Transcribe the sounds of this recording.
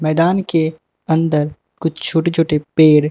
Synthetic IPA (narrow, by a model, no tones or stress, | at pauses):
mɛːd̪aːnke | ɐ̃nd̪əɾ | kʊt͡ʃʰt͡ʃʰoːʈet͡ʃʰoːʈepeːɽ